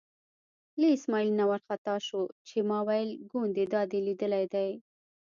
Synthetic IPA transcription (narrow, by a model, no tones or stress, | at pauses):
leɪsmɑilnawaɾxat̪ɑʃot͡ʃemɑwajlɡund̪ed̪ɑd̪elid̪əlajd̪aj